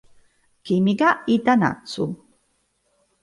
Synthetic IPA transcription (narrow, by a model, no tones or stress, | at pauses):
kimiɡaitana̰t͡su